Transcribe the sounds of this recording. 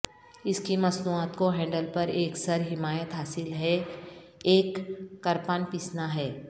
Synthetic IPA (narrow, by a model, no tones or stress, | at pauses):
ɪskimɐsnuaːt̪koɦɛ̃ːɳɖəlpɐɾeːksɐɾɦɪmaːjət̪ɦaːsɪlɦɛ | eːkːɐɾpaːnpiːsnaɦɛː